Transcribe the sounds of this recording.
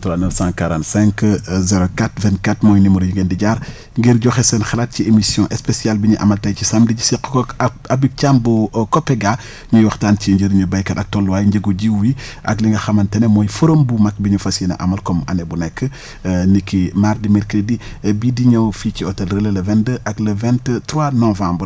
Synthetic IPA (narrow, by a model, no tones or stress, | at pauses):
tuɾanəfsãkaɾãntsɛ̃ŋkzɛɾokatvɛ̃ntkatmɔjnimuɾiɟŋɡendiɟaɾ | ŋɡiɾɟɔxɛsɛnxɐlat̚ciemisjɔ̃ʔɛspesjalbiɲuʔa̰mɐltajcisamdiɟisik | abip̚t͡ʃambukɔpːɛɡa | ɲujwɔxtaːnciɲɟiɾɲubɐjkɐɗɐk̚tɔlːwajɲɟəɡuɟiwwiʔɐ̰kliŋɡɐxɐmɐntɐnɛmɔːjfuɾombumɐk̚biɲufasinɐ̰ʔɐ̰mɐlkɔmɐ̰nɛbunɛkːə | nikːimaɾdimɛɾkɾedibidiɲofiːciɔtɛlɾəlelɐvɛndəʔɐɡlɐvɛnttɾwanɔvãmbɾ